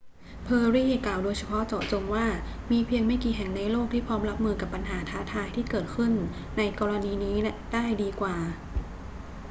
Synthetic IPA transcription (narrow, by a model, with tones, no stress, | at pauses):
pʰɤː˧ɾiː˥˩klaː˨˩wdoː˧jt͡ɕʰa˧pʰɔ˦˥ʔt͡ɕɔː˨˩t͡ɕo˧mwaː˥˩miː˧pʰi˧əŋma˥˩jkiː˨˩ɦɛ˨˩ŋna˧jloː˥˩k̚t̪ʰiː˥˩pʰɔː˦˥mɾa˦˥p̚mɯː˧ka˨˩pːa˧nɦaː˩˦t̪ʰaː˩˦˥t̪ʰaː˧jt̪ʰiː˥˩kɤː˨˩t̪̚kʰɯ˥˩n | na˧jkɔː˧ɾa˧niː˧niː˦˥daː˥˩jdiː˧kwaː˨˩